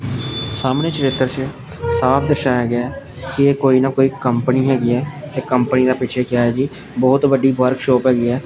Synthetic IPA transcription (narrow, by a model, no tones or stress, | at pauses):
saːmneːt͡ʃəɾɪt̪ːəɾt͡ʃ | saːpʰd̪əʃaːɦɛːɡɪaːɛː | kɪeːkoːiːnaːkoːiːkəmpniːɦɛːɡiːɛːt̪eːkəmpəniːd̪aːpɪːt͡ʃʰɛːkɪjaːɦɛːd͡ʒiː | bɔːt̪bəɖiːʋəɾkʃɔːpɦɛːɡiːɛː